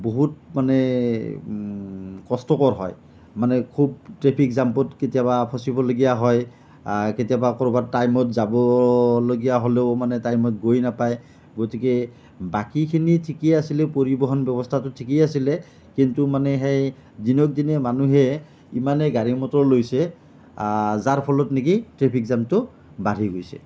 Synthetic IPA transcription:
boɦut̚manɛ | kɔstɔkɔɹɦɔ̰j | manɛkʰub̚tɹepʰikzampɔtketijabapʰɔsibɔloɡijaɦɔj | aketijabakɔɹɔbatajmɔtzabɔloɡijaɦoleʊmanɛtajmɔt̚ɡojnapaj | ɡotike | bakikʰinitʰikiasilɛpoɹibɔɦɔnbɔbɔstʰatʊtʰikiasilɛ | kintumanɛɦej | zinɔk̚dinɛmanuɦɛ | imanɛɡaɹimɔtɔlojsɛ | zaɹpʰɔlɔtnikitɹepʰikzamtʊ | baɾʱiɡojsɛ̰

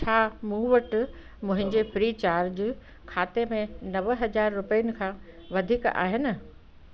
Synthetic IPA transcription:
t͡ɕʰaːmũːʋəʈ | mʊ̃ɦɪ̃ɲd͡ʑefɾiːt͡ɕaːɾd͡ʑ | kʰaːt̪emẽnɐʋɦɐd͡ʑaːɾːʊpəjənɪ̆kʰãː | ʋɐd̪ʱiːka̰ːɦɪnɪ̆

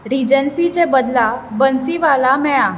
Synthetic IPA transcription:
ɾid͡ʑənsit͡ɕebəd̪labənsiʋalamɛɭã

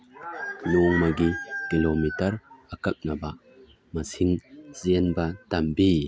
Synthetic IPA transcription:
luŋmɐɡikilomitɐɾɐkɐk̚nɐbɐ | mɐsiŋzenbɐtɐmbi

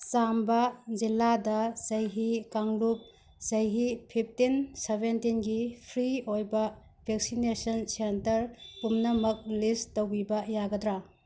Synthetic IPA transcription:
sambɐd͡ʒilːadɐzɐjɦikaŋlup̚ | zɐjɦipʰip̚ʰtinsebentinɡipʰɾiojbɐ | bʱek̚sinesɐnsentɐɾkumnɐmɐk̚listowbibɐjaɡɐdɾa

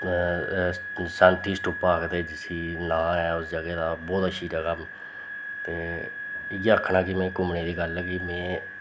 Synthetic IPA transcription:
sə̃nʈʰiːsʈʊːpãːkd̪eːd͡ʒɪsiːnãːɛːʊsd͡ʒəɡeːd̪aːbɔːt̪əʃʰiːd͡ʒaːkəm | t̪eː | ɪɡəkʰːnãːkɪmɛ̃ːkʊmɳiːd̪iːɡəlɛkimɛ̃ː

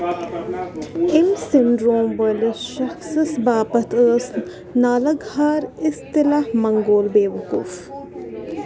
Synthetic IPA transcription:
ɪmsɪnɖɾoːmʋəlʃɐxsəsbaːpɐt̪ʰəːs | naːlɐɡaːɾɪst̪ɪlaːhmɐŋɡoːlbeːʋɐkṵːf

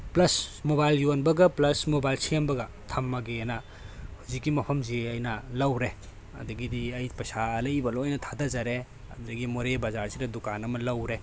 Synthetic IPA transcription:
plɐsmobajljonbɐɡɐplɐsmobajlsiambɐɡɐ | tʰɐmːɐɡenɐ | huzikːimɐpʰɐmzeɐjnɐlɐwɾe | ɐ̰dɐɡidiɐjpɐsaɐlɐjbɐloɐjnɐtʰadazaɾe | ɐ̰dudɐɡimoɾebazaɾsiɾɐdukanɐmɐlɐwɾe

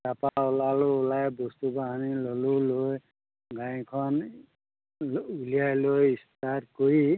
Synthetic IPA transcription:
sapaolalolajbɔst̪ubaɦanilʌluloj | ɡãĩkʰʌn | ulijajlojist̪aɾkoi

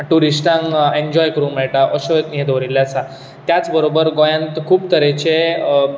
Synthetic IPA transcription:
ʈuɾisʈãŋeɲd͡ʑɔjkəɾũːm̤eɭʈaʔəɕot̪niɦed̪oɾilːjasa | t̪jat͡sbəɾobəɾɡojãnt̪kʰuːp̚t̪əɾet͡ɕe

